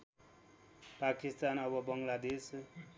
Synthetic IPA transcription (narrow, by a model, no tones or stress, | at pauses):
pakist̪anʌbʌbʌŋlad̪es